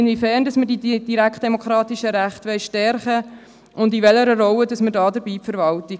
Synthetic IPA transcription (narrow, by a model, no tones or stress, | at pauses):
nvifɛːrndɑsmədidd̥iɾækχt̚d̥emokʰχɾɑːtiʃəɾæχtʋɛɪʃtɛɾχə | ʊndiʋɛləɾəɾɔlədɑsmədɑːdəɾbiːpfəɾvɑlti